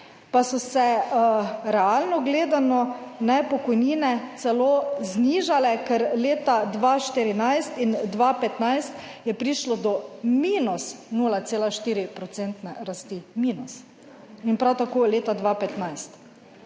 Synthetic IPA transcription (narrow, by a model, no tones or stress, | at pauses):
pasɔsɛ | ɾɛaːlnɔɡleːd̪anɔ | nɛpɔkɔjniːnɛt̪sɛloːzniːʒalɛkɛɾleːt̪ad̪ʋaʃt̪iɾinajst̪ind̪ʋapɛt̪najst̪jɛpɾiːʃlɔd̪ɔmiːnusnuːlat̪eːlaʃt̪iːɾipɾɔt̪sent̪nɛɾast̪imiːnus | inpɾawt̪akoːleːt̪ad̪ʋapɛt̪najst̪